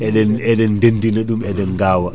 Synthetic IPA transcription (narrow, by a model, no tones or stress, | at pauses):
ʔɛɗɛnɛɗɛndendinaɗumɛɗɛnɡaːwa